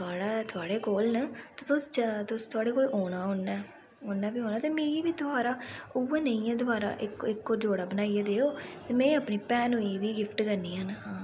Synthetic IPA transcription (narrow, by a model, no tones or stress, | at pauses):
t̪ʰʊaːɽaːt̪ʰʊaːɽeːkoːlnət̪eːt̪ʊst̪ʊst̪ʰʊaːɽeːkoːlɦoːɽ̃aːɦonɛː | oːnaːbiːɦoːnaːt̪eːmeːɾiːʋiːd̪ʊaːɾaːʊʋeːnəĩɛ̃ːd̪ʊaːɾa̰ːʔɪkɪkːoːd͡ʒoːɽaːbənaːieːd̪eːoːt̪eːmɛ̃ːəpniːpɛːnɦoːiːʋiːɡɪpʈkəɾniːaəːnɦãː